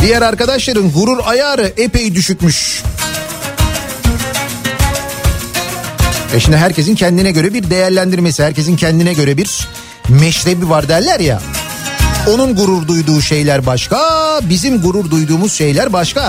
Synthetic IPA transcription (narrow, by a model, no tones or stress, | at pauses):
d̪ijæɾaɾkad̪aʃlˠaɾɯnɡuɾuɾajaːɾɯʔepe̞jid̪yʃycmyʃ | ɛʃimd̪iɦæɾce̞s̬incʰɛnd̪inɛɟø̞ɾɛbiɾd̪e̞jæɾlʲænd̪iɾmesihæɾce̞s̬incʰɛnd̪inɛɟø̞ɾɛbiɾ | mɛʃɾe̞bivaɾd̪æɾlʲæɾja̰ | o̞nunɡuɾuɾd̪ujd̪uːʃe̞jlʲæɾbaʃkabizimɡuɾuɾd̪ujd̪uːmuz̥ʃe̞jlʲæɾbaʃka